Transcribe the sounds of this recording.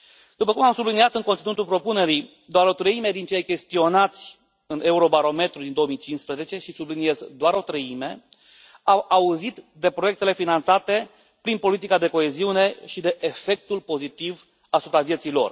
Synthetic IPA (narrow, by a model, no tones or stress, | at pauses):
d̪upəkumamsubliniat̪ɨŋkont̪sinut̪ulpɾo̞pune̞ɾi | d̪oaɾo̞t̪ɾəimed̪int͡ʃejkʲe̞st̪io̞nat̪sʲ | ɨne̞uɾo̞baɾo̞me̞t̪ɾud̪ind̪oomit͡ʃinspɾeze̞t͡ʃe̞ʃisublinie̞zd̪oaɾo̞t̪ɾəime̞ | awauzit̪d̪e̞pɾoje̞k̚t̪e̞le̞finant̪sat̪e̞ | pɾinpo̞lit̪ikad̪e̞ko̞e̞ziune̞ʃid̪e̞ʔefe̞k̚t̪ulpo̞zit̪iv | asupɾavije̞t̪sijlo̞̰r